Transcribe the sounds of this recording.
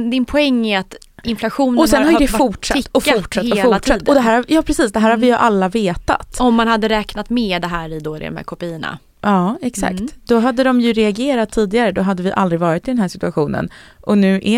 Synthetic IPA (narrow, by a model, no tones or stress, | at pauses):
d̪ɪnpʰɔɛŋːɪat̪ | ɪnflaɧuːnɔsɛnhaɾjd̪ɛffʊʈʂaːɔfːʊʈʂat̪h̪ɔlfʊʈ̪ʰatːd̪ːɔd̪ɛɦæːɾhajɑːpʰɾɛsiːsd̪ɛɦæːɾhaɾvɪjɵʔalːaveːt̪a̰t̪ɔmːanhad̪ːəɾɛːknat̪meːd̪ɛɦæːɾɪd̪od̪ɛ̰ɔ̰mhæ̰ɾkʰɔpiːəna̰ | ʔɑːɛksa̰kt̪d̪̥ɔɦad̪ːəd̪ɔmjɵɾɛaɡeːɾat̪ʰːiːd̪ɪɡaɾəd̪ɔɦad̪ːəvɪʔald̪ɾɪɡvɑːɾɪt̪ːɪd̪ɛnɦæːʂɪt̪ɵaɧuːnə̰nʔɔnʉ̟ːʔɛ